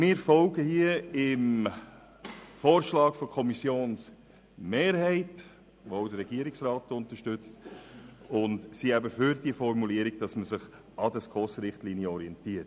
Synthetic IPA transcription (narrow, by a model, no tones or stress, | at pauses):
mɪːɾfɔlɡəhiəɪm | foːɾʃlɑːkfokʰɔmisjoːns | meːɾhɛɪt | ʋodəɾːɛɡ̥iəɾɪksrɑːtʊntəʃtʏt͡st | ʊndsiæbəfʏɾd̥iəfɔɾmuliəɾiɡ̥̚d̥ɑsməsɪχ | ɑdəskʰɔsɾɪχtliːnjəɔɾiɛntiət